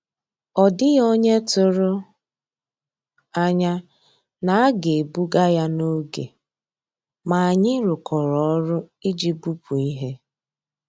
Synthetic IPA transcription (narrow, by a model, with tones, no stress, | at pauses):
ɔ˨dɪ˦jo˦ɲe˦tʊ˦˨ɾʊ˦ | a˦ɲa˦ | na˨a˦ɡe˨e˨bu˦ɡa˦ja˦no˦ɡḛ˨ | ma˨a˨ɲɪ˦ɾʊ˨kʰɔ˨ɾɔ˨ɔ˦ɾʊ˦ | i˦d͡ʒi˦bu˦pu˨i˦ɦe˦